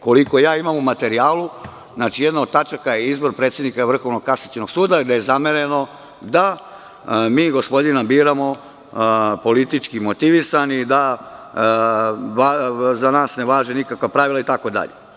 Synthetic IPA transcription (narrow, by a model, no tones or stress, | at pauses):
ko̞liko̞jaːimamumat̪e̞ɾiaːlu | znaːt͡ʃijed̪naod̪̚t̪at͡ʃakajeizbo̞ɾpɾet̪sjed̪nikaʋr̩xo̞ʋnoɡkasat͡ɕino̞ɡ̥suːd̪aid̪aje̞zameɾe̞no̞ | d̪a | miːɡo̞spo̞d̪inabiːɾamo̞ | po̞lit̪it͡ʃkimo̞t̪iʋisanid̪a | ʋazanaːsneʋaːʒenikakʋapɾaʋilait̪akod̪a̰ʎḛ